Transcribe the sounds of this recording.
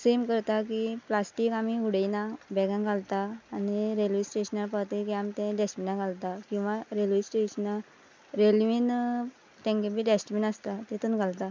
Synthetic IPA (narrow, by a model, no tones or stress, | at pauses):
semkəɾt̪akiplasʈikamiuɽənabɛɡãnɡʱalt̪aːniɾelʋisʈeɕənapat̪ekiamit̪ẽɖesʈminaɡʱalt̪akĩw̃ʋãɾelʋisʈeɕəna | ɾelʋin | t̪ẽŋkebiːɖesʈminəst̪at̪et̪unɡʱalt̪a